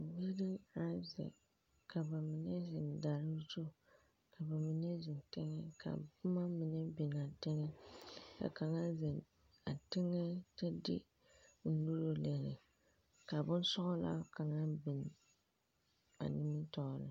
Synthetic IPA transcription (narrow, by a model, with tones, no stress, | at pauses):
bi˦di˦a˦zɛ̰˨ | ka˨ba˨mɪ˨nɛ˦zɪ˨n˨da˨ɾɨ˦zo˦ | kʰa˨ba˨mɪ˨nɛ˦zɪ˨ntɪ˦ŋɛ˦kʰa̰˨bʊ˦ma˦mɪ˨nɛ˦bɪ˨n˨a˨tɪ˦ŋɛ˦ka̰˨ka˨ŋa˦zɪ˨n | a˨tɪ˦ŋːɛ˦tɛ˦dɪ̰˦ | n̩˦nu˦ɾo˦le˨ɾɪ̰˨ | ka˨bʊ˦n˦sɔ˦ʔʊ˦la̰˦ka˨ŋa˦bɪ˨n˨ | a̰˨nɪ˦mɨ˦tɔ˦˨ɾɨ̰˨